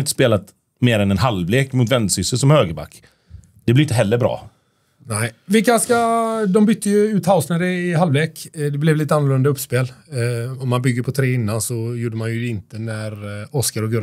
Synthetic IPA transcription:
ɪnt̪əspeːlat̪ | meːɾɛnɛnɦalvleːkmʊt̪vɛnd̪sʏsəsɔmhøːɡəɾba̰kː | d̪̥ɛblɪɾɪnt̪əɦɛlːəbɾɑ̰ː | næɪvɪlkaskad̪ɔmbʏt̪ʰːəjɵʉːt̪haʊsnæɾɛɪɦalvleːkd̪ɛblɛvliːt̪əanːʊlɵnd̪aɵpːspeːl | ɔmːanbʏɡːəɾpʰɔt̪ʰɾeːɪnːansɔjuːɖəmanjɵd̪ɛɪnt̪ənæɾɔskaɾɔɡɵɾ

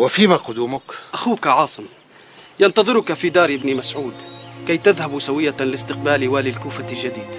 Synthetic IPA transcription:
wɪfiːmaqʊd̪uːmʊkʔaxuːkaʕɑːsˤɨm | jɑnt̪ɑðˤɨɾʊkafid̪ɑːɾʔɪbnimasʕuːd̪kajt̪ɪðhabsawɪjːalɪst̪ɪq̚baːliwaːlɪlkuːfalʒad̪iːd̪

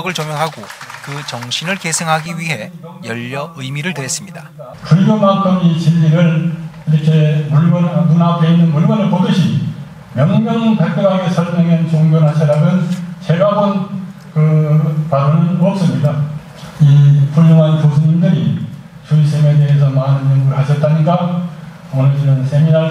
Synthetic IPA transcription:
ɡɯɭt͡ɕomjʌŋɦaɡokɯt͡ɕʌŋɕʰinɯɭkesʰɯŋɦaɡiɥiɦe̞jʌʎːʌɯjmiɾɯɭtɯɾes͈ɯmɲida | pujɡonak͈ʰʌmit͡ɕiʎːiɾɯɭ | iɾʌkʰe̞muɭɡʌnmunakʰeinːɯnmuɭbʌnɯɭpodɯɕʰi | mjʌŋmjʌŋɯnpep͈ʰeɡɦaɡe̞sʰʌɭmʌŋent͡ɕoŋɡjʌnɦaɕʰiɾaɡɯnt͡ɕʰeɡabon | kɯpaɾoɾɯnʌp̚s͈ɯmɲika | ipuɭːoŋɦanposʰuɲimdɯɾi | t͡ɕuisʰemede̞ɦes̬ʰʌmanɯnjʌŋɡɯɾɦaɕʰʌt̚t͈aɲiɡa | onɯɭt͡ɕinɯnsʰe̞mina

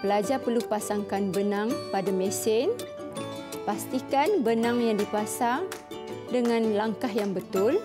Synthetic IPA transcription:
pəlad͡ʒapərlupasaŋkanbənãŋpadamɛ̃sɪn | past̪ikanbənãŋjaŋdipasaŋ | dəŋãnlaŋkahjaŋbət̪ʊl

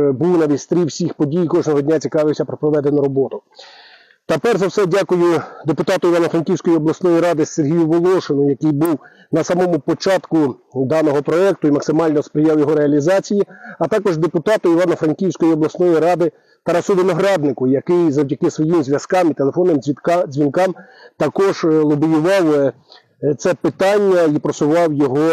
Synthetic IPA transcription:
buwnɑʋʲit̪ʲst̪ɾʲiwsʲixpɔdʲijkɔʐnɔɦɔdʲnʲat͡sʲikɑʋɪwsʲɐpɾɔpɾɔʋɛd̪enʊɾɔbɔt̪ʊ | t̪ɐpɛrzɐwsɛdʲakʊjʊd̪epʊt̪ɑt̪ʊiʋɑnɐfɾɐnkʲiwsʲkɔjiɔblˠɐsnɔjiɾɑd̪ɪserɦʲijʊʋɔlˠɔʃɪnʊjɐkɪjbuw | nɐsɑmɔmʊpɔt͡ʃɑt̪kʊd̪ɑnɔɦɔpɾɔɛk̚t̪ʊimɐksɪmɑlʲnɔspɾɪjɑwjɔɦɔɾeɐlʲizɑt͡sʲijiɐt̪ɑkɔʒd̪epʊt̪ɑt̪ʊiʋɑnɐfɾɐnkʲiwsʲkɔjiɔblˠɐsnɔjiɾɑd̪ɪ | t̪ɐɾɑsʊʋɪnɔɦɾɑd̪̚nɪkʊjɐkɪjzɐwdʲɐkɪsʋɔjimzʲʋʲjɐskɑmit̪elˠefɔnːɪmzʲʋʲinkɑmt̪ɐkɔʒlˠɔbijʊʋɑw | t̪sɛpɪt̪ɑnʲːɐipɾɔsʊʋɑwjɔɦɔ

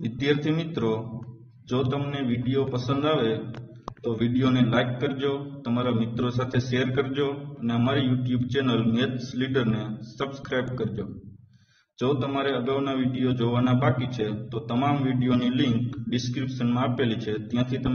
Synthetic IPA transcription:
ʋɪd̪jaɾt̪ʰimɪt̪ɾo | d͡ʒot̪əmneʋiɖijopəsə̃nd̪aʋe | t̪oʋiɖijonelaikːəɾd͡ʒot̪əmaɾamɪt̪ɾosat̪ʰeʃejəɾkəɾd͡ʒoəneəmaɾijuʈjubt͡ʃɛnəlmet̪sliɖəɾnesəbskɾajbkəɾd͡ʒo | d͡ʒot̪əmaɾeəɡaʋnaʋiɖijod͡ʒoʋanabakit͡ʃʰet̪ot̪əmamʋiɖijoniliŋkɖɪskɾipʃənmãəpelit͡ʃʰet̪jãt̪ʰit̪ə

